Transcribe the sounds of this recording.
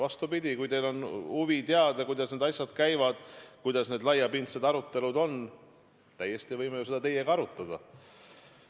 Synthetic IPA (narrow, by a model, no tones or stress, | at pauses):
vɑst̪upid̪̥ʲikujt̪e̞jlo̞nuvit̪eɑd̪̥ɑkujd̪̥ɑsne̞d̪ɑjsʲjɑd̪̥kæjvɑd̪̥kujd̪̥ɑsne̞d̪lɑjːɑpint̪sed̪ɑɾut̪ːe̞lud̪o̞n | t̪æjːe̞st̪ievɤjmejuse̞d̪̥ɑt̪e̞jeɡɑɑɾut̪ːˑɑd̪̥ɑ